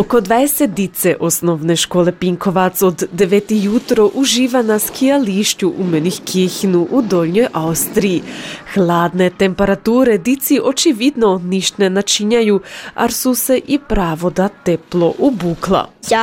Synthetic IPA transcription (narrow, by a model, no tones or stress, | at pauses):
okod̪ʋajeset̪̚d̪it̪sɛʔosnoʋneʃkoːlepiŋkʰo̞ʋat̪sod̪ːeʋet̪ijut̪ɾoʔuʒiːʋanaskʰijaliʃcuʔumenixkʰexinuʔud̪oːlɲojʔaust̪ɾijixlˠaːd̪net̪empeɾat̪uːɾed̪it̪siʔot͡ʃiʋid̪noniʃt̪nenat͡ʃiɲajua̰ɾsuseʔipɾaːʋod̪at̪ɛplˠoʔubuːklˠa̰